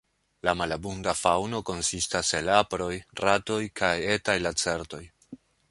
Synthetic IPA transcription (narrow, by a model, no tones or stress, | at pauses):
lamalabundafawno̞ko̞nsistase̞lapɾo̞jrato̞jkʰaje̞tajlat͡se̞ɾto̞j